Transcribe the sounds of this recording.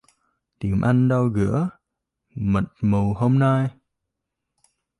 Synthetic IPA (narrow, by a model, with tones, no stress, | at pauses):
t̪i˨˩əmʔa˧jŋ̟ɗa˧wɣɨ̰˧˥ə | mə˨˩t̚mu˨˩wɦo˧mna˧j